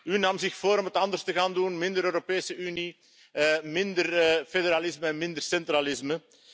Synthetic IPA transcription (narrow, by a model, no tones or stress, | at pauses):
ɦynɑmzɪxfoːɾɔmɦətɑndərstəɣaːndunmɪndəɾøːɾopeːsəʔyni | mɪndərfedəɾalɪzməɛnmɪnd̪ərsɛnt̪ralɪzmə